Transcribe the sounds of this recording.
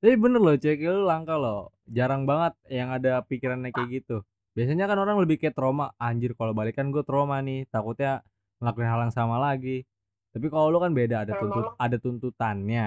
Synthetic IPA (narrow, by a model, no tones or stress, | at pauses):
ɛbənərlot͡ʃɛkalulaŋkalo | d͡ʒaɾaŋbaŋət̪̚jaŋadapikiɾanːakajaɡit̪u | b̥ias̬aɲakanoɾaŋləbɪhkajat̪ɾomaːɲd͡ʒʊrkalobalikanɡuat̪ɾomanɪht̪akut̪̚ɲa | lakuinɦalaŋsamalaɡi | t̪ap̬ikalolokanbedaːdat̪unt̪uadat̪unt̪ut̪anɲa